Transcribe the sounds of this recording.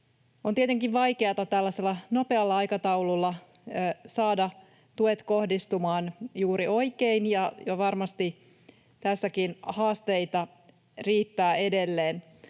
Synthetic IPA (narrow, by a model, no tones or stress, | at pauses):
ont̪iet̪eŋkiʋʋɑjkeɑt̪ɑt̪ælːæse̞lːɑno̞pe̞ɑlːɑɑjkɑt̪ɑwlulːɑ | sɑːdɑ | t̪uet̪ko̞hdist̪umɑːnjuːɾio̞ikeinjɑjɑʋɑrmɑst̪i | t̪æsːækinhɑːst̪e̞jt̪ɑ | riːt̪ːæːe̞de̞lːeːn